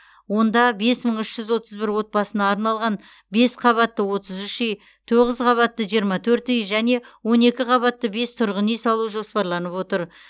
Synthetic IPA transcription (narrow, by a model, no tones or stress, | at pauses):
wo̞nd̪ɑbe̞sməɴʏʃʒ̥ʏzwo̞t̪əzbɪɾwo̞t̪̚pɑsənɑːɾnɑlˠʁɑn | be̞sqʰɑβɑt̪ːəwo̞t̪əzʏʃej | t̪ʰo̞ʁəzqʰɑβɑt̪ːəʒijəɾmɑt̪ʰɵɾt̪ʏjʒæne̞wo̞ne̞kʲɪqʰɑβɑt̪ːəbe̞st̪ʰʊɾʁənejsɑlˠuʒo̞spɑɾlˠɑnəpwo̞t̪əɾ